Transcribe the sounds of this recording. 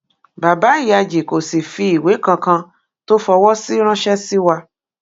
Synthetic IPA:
ba˨ba˨˦i˦˨ja˧d͡ʒi˨ko˨si˨fi˧˦i˨we˨˦kã˧kã˧ | to˦fɔ˧wɔ˦si˦ɾ̃ã˦ʃɛ˦si˦wa˧

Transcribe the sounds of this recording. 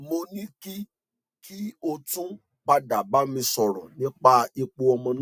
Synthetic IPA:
mo˧nĩ˦ki˦ | kʰi˦o˧tũ˦ | k͡pa˧da˨ba˨˦mĩ˧sɔ˨ɾɔ̰̃˨nĩ˦k͡pa˦i˧k͡po˧ɔ˧mɔ̃˧ñ˦

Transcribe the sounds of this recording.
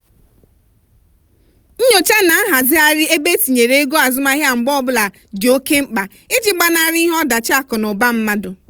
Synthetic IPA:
ɲ̩˦ɲo˨t͡ʃa˦na˨a˦ɦa˨zɪ˦a˦ɾɪ˦e˦be˦ti˨ɲe˨ɾe˦e˦ɡo˦a˨zʊ˦ma˦ɦja˦˨ŋ͡m̩˨ɡ͡bɔ˦bʊ˦la˨ | d͡ʒo˦ke˦ŋ͡m̩˦k͡pa˨ | ɪ˦d͡ʒɪ˨˦ɡ͡ba˦na˦ɾɦɔ˦da˨t͡ʃa˦˨kɔ˨nʊ˨ba˦m̩˦ma˦dʊ˨

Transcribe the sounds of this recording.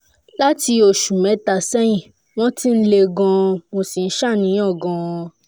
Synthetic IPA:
la˦ti˧o˨ʃu˨mɛ̃˨˦ta˨sɛ˦jĩ˦˨ | w̃ɔ̃˦ti˦n̩˦le˧ɡɔ̃˧mo˧si˨n̩˦ʃa˦˨nĩ˨˦ɔ̃˦˨ɡɔ̃˨˧

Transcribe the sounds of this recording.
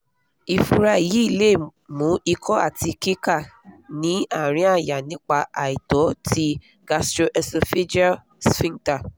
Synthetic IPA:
i˨fu˧ɾa˧˨ji˨˦i˦˨le˦˨mũ˨˦i˧kʰɔ˦a̰˦˨ti˧ki˦ka˦˨nĩ˨˦a˦˨ɾ̃ĩ˨˦a˦˨ja˨nĩ˨˦k͡pa˧a˨i˨tɔ˨˦ti˦ | ɡ̥a˧stɾo˧ʔɛ˧so˧fe˦d͡ʒa˦ | sfĩ˦ŋta˦˨

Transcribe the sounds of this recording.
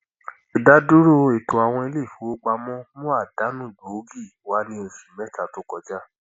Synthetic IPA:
i˨da˦du˦ɾo˦˨e˨to˨a˨w̃ɔ̃˧e˧le˦˨fo˨˦k͡pa˧mɔ̃˦mũ˦a˦˨da˨˦nũ˦˨bo˨˦ɡi˦˨wa˦nĩ˧˦o˨fi˨mɛ˦ta˨to˦kɔ˧d͡ʒa˦

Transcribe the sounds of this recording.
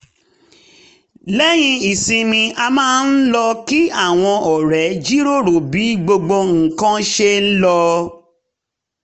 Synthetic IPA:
lɛ˦j̃ĩ˧i˨sĩ˧mĩ˧ʔa˧mãː˦n̩˦lɔ˧ki˦a˦˨w̃ɔ̃˧ʔɔ˨ɾɛ˨˦d͡ʒi˦ɾo˦˨ɾo˨bi˨˦ɡ͡bo˧ɡ͡bo˧ŋ̩˨kã˦ʃe˧n̩˦lɔ˧

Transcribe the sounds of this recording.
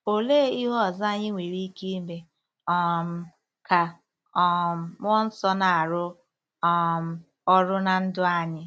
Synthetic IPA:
o˨leː˦i˦ɦɔ˦˨za˦ɲɪ˦ŋʷe˨ɾi˦ki˦me˨ | ɔ˦˨m̩˦ | ka˨ | ɔ˨m̩˨m˦ɔ˦n̩˦sɔ˦na˨a˨ɾʊ˦ | ɔ˦˨m̩˦ | ɔ˦ɾʊ˦na˨n̩˦dʊ˦a˦ɲɪ˦

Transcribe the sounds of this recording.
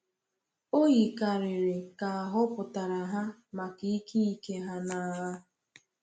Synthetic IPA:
o˦ɣi˨ka˨ɾɪ˨ɾɪ˨ka˨a˨ɦʊ˦pʊ˨ta˨ɾa˨ɦa˦ma˨ki˦i˦ki˦i˦ke˦ɦa˦na˨ɦa˦

